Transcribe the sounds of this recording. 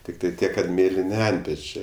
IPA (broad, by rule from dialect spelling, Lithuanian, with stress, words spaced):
ˈtʲɪktɐɪ ˈtʲiɛk kɐt ˈmʲeːlʲɪnʲɪ ˈɐnʲtʲpʲɛt͡ʃʲeː